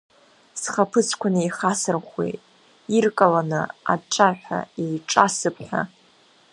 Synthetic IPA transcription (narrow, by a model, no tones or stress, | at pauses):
sχapʰɨt͡sʰkʷʰanɨiχasɨrχʷwḛtʼ | irkʼalanɨ̰a̰ʈ͡ʂʰaħʷᶣa̰ejʈ͡ʂʼasɨpʰħʷᶣa̰